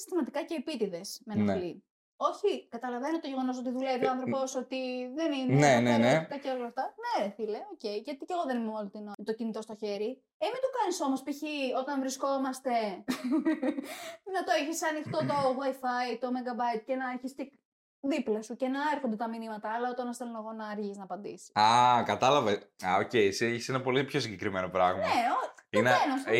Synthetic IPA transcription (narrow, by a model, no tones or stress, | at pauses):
i̥st̪imɐt̪ikɐce̞ipit̪iðe̞sme̞nɐli | o̞çikɐt̪ɐlɐve̞not̪o̞ʝe̞ɣo̞noso̞t̪iðulevit̪oɐnθɾo̞po̞so̞t̪iðe̞nineneneet̪ik̪ɐceolɐft̪ɐneθile̞o̞ce̞iʝɐt̪ice̞ɣo̞ðe̞ninemolt̪inot̪o̞cinit̪o̞st̪o̞çe̞ɾi | emit̪ukɐniso̞mo̞spiçio̞t̪ɐɱvɾisko̞mɐst̪e̞ | nɐt̪oeçisɐnixt̪o̞t̪o̞ɣwajfɐit̪o̞mɐɡɐbɐjt̪̚cenɐeçiste | ðiplɐsuce̞nɐeɾxond̪e̞t̪ɐminimɐt̪ɐːlɐo̞t̪ɐnɐselonoɣo̞nɐːɾʝiznɐpɐnd̪ḭsi̥ɐkɐt̪ɐlɐvɐɐocejsieçi̥senɐpo̞lipço̞siɲɟe̞kɾimeno̞pɾɐɣmnɐeoineenos